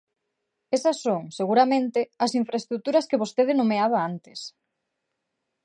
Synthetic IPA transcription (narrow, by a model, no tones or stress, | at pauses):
esɐsːoŋseɣuɾamẽnt̪ɪɐsiɱfɾaest̪ɾut̪uɾɐskeβost̪eðenomeaβaant̪e̥s